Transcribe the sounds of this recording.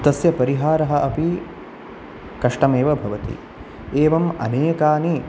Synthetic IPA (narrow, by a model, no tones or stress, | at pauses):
t̪ɐsjɐpɐɾiɦaːɾɐɦɐʔɐpi | kɐʂʈɐmeːʋɐbʱɐʋɐt̪ḭ | eːʋɐmɐ̰neːkaːni